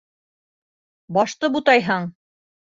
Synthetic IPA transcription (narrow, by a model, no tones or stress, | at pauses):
bɒʃt̪ɤbut̪ɑjɦɤɴ